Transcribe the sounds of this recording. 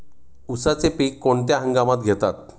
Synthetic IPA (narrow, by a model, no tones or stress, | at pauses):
usat͡sepiːkːoɳt̪̬jaɦə̃ŋɡamat̪̚ɡʱet̪at̪̚